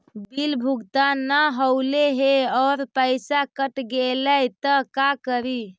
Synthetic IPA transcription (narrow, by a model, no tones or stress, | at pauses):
bilbʱuɡt̪anːaɦəwleɦeɔːɾpəjsakəʈɡeləjt̪əkakəɾi